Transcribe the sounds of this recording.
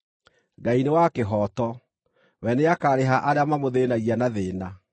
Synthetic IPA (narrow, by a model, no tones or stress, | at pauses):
ɡainewakeɦɔːtɔ | wɛneakaːɾeɦaʔaɾeamamoðeːnaɣianaðeːna